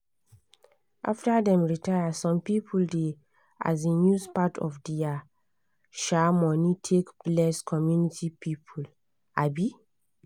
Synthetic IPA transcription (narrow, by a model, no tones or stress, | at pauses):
ʔa̰ftadɛ̃mɹitajasɔ̃mpipʰulde | a̰zenjuspatʰɔ̰fdɛa | ʃamɔnitʰekplɛskʰɔmjunitipipʰul | abi